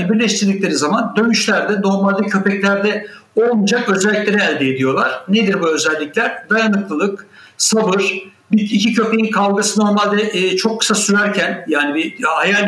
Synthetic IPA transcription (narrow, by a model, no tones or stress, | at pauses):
nibiɾlʲɛʃt̪ʰiɾd̪ic̚lʲe̞ɾizamand̪ø̞myʃlʲæɾd̪ɛno̞ɾmalʲd̪ɯcʰø̞pɛclʲæɾd̪ɛ | o̞lˠmud͡ʒakø̞zɛlʲːiclʲe̞ɾiælʲd̪ɛːd̪ijo̞lˠaɾ̥ned̪iɾbuø̞zɛlʲːiclʲæɾd̪ajanɯklˠɯlˠɯk | sabɯɾ̥ | biicʰicʰø̞pe̞jinkʰalˠɡɯsɯno̞ɾmalʲd̪ɛːt͡ʃʰo̞kʰːɯ̥sasyɾæɾcʰænjaːnibihaja